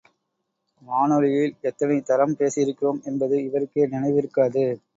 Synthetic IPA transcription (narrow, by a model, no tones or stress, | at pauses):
maːnɔɻɪjɪlɛt̪ːɐnɐɪt̪ɐɾɐmpeːsɪɪɾɯkːɪɾoːmɛnbɐðɯɪʋɐɾɯkːeːnɪnɐɪʋɪɾɯkːaːðɯ